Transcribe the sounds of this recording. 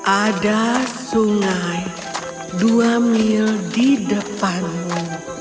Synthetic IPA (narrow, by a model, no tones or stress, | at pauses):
ʔadasuŋaj | duamildidəpanmu